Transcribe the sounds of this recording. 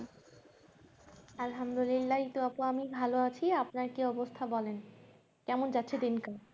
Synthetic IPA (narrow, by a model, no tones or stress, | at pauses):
alɦamd̪olilːait̪oapoamibʱaloat͡ɕʰiapnaɾkiɔbost̪ʰabɔlen | kɛmond͡ʑatːɕʰed̪inka